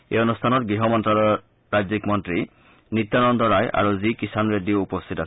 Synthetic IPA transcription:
ḛjɔnustʰanɔtɡɹiɦɔmɔntɹalɔ | ɹajd͡ʒzikmɔntɹi | nit̪ːanɔndɔɹajʔa̰ɹuzikisanɹedioupɔstʰita

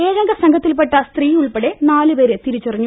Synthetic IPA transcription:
eːɣɐŋɡɐsɐŋɡʱɐt̪ːilpeʈːɐst̪riːuɭpeɽenaːlɨʋeːɾet̪iɾit͡ɕːurɐɲːu

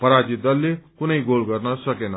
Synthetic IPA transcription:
pəɾad͡ʒit̪d̪ʌlːekunʌiɡolɡʌɾnʌsʌkenʌ

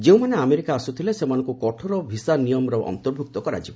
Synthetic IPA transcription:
d͡ʒeũmaneameɾikaːsut̪ʰilesemanɔ̃ŋkukɔʈʰɔɾɔbʱisanijɔmɾɔʔɔ̰nt̪ɔɾbʱuk̚t̪ɔkɔɾa̰d͡ʒibɔ

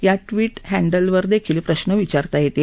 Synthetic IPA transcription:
jaʈʋiːʈhæɳɖəlʋəɾd̪ekʰiːlpɾəɕnəʋit͡ɕaɾt̪ajet̪e

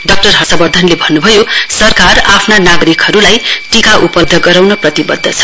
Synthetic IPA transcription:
ɖʌk̚ʈʌrɦʌsabʌrd̪ʱʌnlebʱʌnːubʱʌjosʌrkarapʰnanaɡʌɾikʌɾulajʈikaʔupʌd̪ʱːʌɡʌɾawnʌprʌt̪ibʌd̪ʱːʌt͡sʰʌ̥

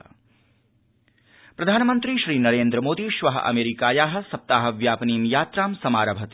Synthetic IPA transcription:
pɾɐd̪ʱaːnɐmɐnt̪ɾiʃɾiːnɐɾeːnd̪ɾɐmoːd̪iʃʋɐɦɐ̰ʔɐ̰meːɾikaːjaːɦɐ̆sɐp̚t̪aːɦɐʋjaːpɐniːmjaːt̪ɾaːmsɐmaːɾɐbʱɐt̪

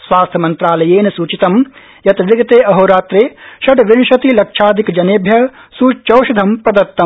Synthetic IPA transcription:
sʋaːst̪ʰɐmɐnt̪ɾaːlɐjeːnɐsuːt͡ʃit̪ɐm | jɐt̪ʋɪɡɐt̪eːʔɐɦoːɾaːt̪ɾeːʃɐʈʋɪnʃɐt̪ilɐkʃaːd̪ʱikd͡ʒɐneːbʱjɐ | suːt͡ʃɐwʃɐd̪ʱɐmpɾɐd̪ɐt̪ːɐm

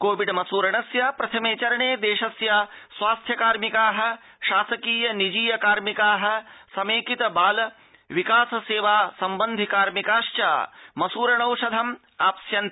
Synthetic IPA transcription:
koːʋiɖmɐsuːɾɐɳɐsjapɾɐt̪ʰɐmeːt͡ʃɐɾɐɳeːd̪eːʃɐsjaːsʋaːst̪ʰjɐkaːɾmikaːɦɐ̆ | ʃaːsɐkiːjɐnid͡ʒiːjɐkaːɾmikaːɦɐ̆sɐmeːkit̪ɐbaːlɐ | ʋikaːsɐseːʋaːsɐmbɐnd̪ʱikaːɾmikaːʃt͡ʃa̰ːmɐsuːɾɐɳɐwʂɐd̪ʱɐm | aːpɐsjɐnt̪

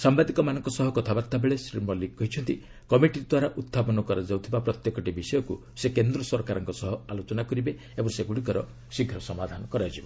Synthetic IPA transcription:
sambad̪ikɔmanɔŋkɔsɔɦɔkɔt̪ʰabaɾt̪ːabeɭesɾimɔliɔɦit͡ʃʰɔnt̪ḭ | kɔmiʈiɾd̪waɾaʔut̪ʰːapɔnɔkɔɾad͡ʒawt̪ʰibapɾɔt̪jekɔʈibisɔjɔku | sekend̪ɾɔsɔɾkaɾɔŋkɔsɔɦɔalot͡ʃɔnakɔɾibe | ebɔŋseɡuɽikɔɾɔ | siɡʱɾɔsɔmad̪ʱanɔkɔɾad͡ʒibɔ

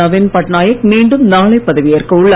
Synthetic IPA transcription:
ɐʋɪnpɐʈnaːjɐkmiːɳɖɯmnaːɭɐɪpːɐðɐʋɪjɐrkɯʊɭːɐ

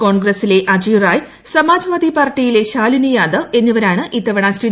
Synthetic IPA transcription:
ko̞ːɳɡrɐsile̞ʔɐd͡ʑijraːj | sɐmaːd͡ʑɐʋaːd̪ipaːrʈːijile̞ɕaːlinijaːd̪ɐʔe̞nːiʋɐɾaːɳɨʔit̪ːɐʋɐɳaːsri

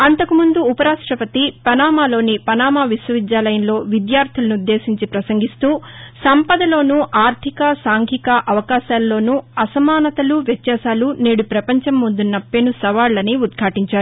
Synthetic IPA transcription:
ɐnt̪ɐkumund̪uːpɐɾaːʂʈɾɐpɐt̪ipɐnaːmaːlo̞ːnipɐnaːmaːʋisʋɐʋid̪jaːlɐjɐnlo̞ːʋid̪jaːɾt̪ʰilɐnud̪ːe̞ːsiɲt͡ʃipɾɐsɐŋɡist̪uːsɐmpɐd̪ɐlo̞ːnuʔaːɾt̪ʰikɐsaːŋkʰikɐʔɐʋɐkaːʃaːlːo̞ːnuɐsɐmaːnɐt̪ɐluʋjɛt̪jaːsaːlune̞ːɽupɾɐpɐɲt͡ʃɐmːund̪unːɐpːeːnusɐʋaːɭːɐniud̪kʰaːʈiɲt͡ʃaːɾuu

